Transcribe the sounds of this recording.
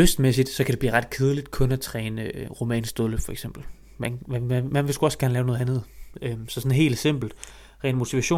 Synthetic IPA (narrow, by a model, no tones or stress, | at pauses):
øsd̥mesid̥sɒ̽kʰæd̥e̝b̥lḭːʁɑ̈d̥̚kʰeðˠlid̥kʰɔ̽næt͡sʰʁɛːnəʁo̝mɛ̰ːnsd̥oləfɒ̽eɡ̥sem̰b̥l̩ | mænææmænʋe̝sɡ̥uɒ̽sɡ̥æɐnəlɛːʊnɔ̽ð̩ˠænð̞̩ˠøsɒ̽sɔ̽nɦe̝̰ːldse̝m̰b̥l̩d̥ | ʁɛ̰ːnmo̝t͡sʰiʋæɕo̝̰ː